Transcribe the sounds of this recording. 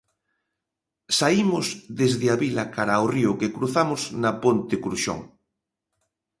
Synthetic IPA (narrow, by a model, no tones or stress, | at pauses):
saimʊzðezðeaβilakaɾaoriʊkekɾuθamʊznapont̪ekɾuʃo̰ŋ